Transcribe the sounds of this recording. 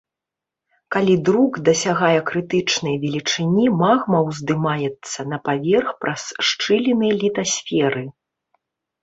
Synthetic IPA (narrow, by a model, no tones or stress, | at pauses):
kalʲid̪ɾuɡd̪ɐsʲaɣajɛkɾɨt̪ɨt͡ʂnɐjvʲɛlʲit͡ʂɨnʲimaɣmɐwzd̪ɨmajɛt̪sːɐnɐpavʲɛrxpɾʔɐsʂt͡ʂɨlʲinɐjɐlʲit̪asʲfʲɛɾɨ